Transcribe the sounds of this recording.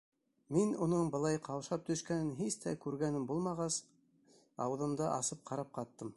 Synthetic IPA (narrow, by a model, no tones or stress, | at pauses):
minunɤɴbɤ̆lˠɑjqɑwʃɑp̚t̪ɵ̆ʃkænɘnɦist̪æ̰kʉɾɡænɘmbulˠmɑʁɑs | ɑ̰wɤ̆ðɤ̆md̪ɑʔɑsɤp̚qʰɑɾɑp̚qɑt̪ːɤm